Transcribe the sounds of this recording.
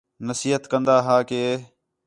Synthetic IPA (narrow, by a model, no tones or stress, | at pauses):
nəsiːɦət̪kənd̪aːɦaːkeː